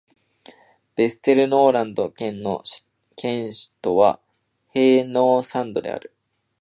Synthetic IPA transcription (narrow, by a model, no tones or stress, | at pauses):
b̥e̞sɨ̥t̪e̞ɾɯ̟no̞ːɾãnd̪o̞kẽ̞nːo̞̰ɕ | kʰẽ̞ɰ̃ɕi̥t̪o̞βa̰ | he̞ːno̞ːsãnd̪o̞d̪e̞̰a̰ɾɯ̟